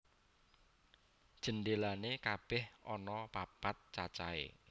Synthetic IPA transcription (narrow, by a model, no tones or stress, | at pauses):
d̥ʒ̥ə̤ndelanekab̥ɛhʔɔnɔpapat̪̚t͡ʃat͡ʃa̰ḛ